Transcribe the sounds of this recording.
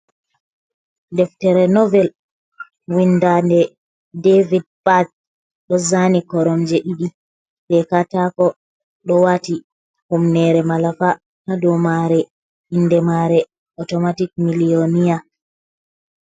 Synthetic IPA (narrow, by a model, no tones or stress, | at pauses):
dɛftɛɾɛnɔvɛl | windandɛ | devid̚pat | ɗɔzanikɔɾɔmd͡ʒɛʔiɗi | bɛkatakɔ | ɗɔwati | humnɛɾɛmalafa | hadɔmaɾɛ | indɛmaɾɛ | ɔtɔmatik̚milionija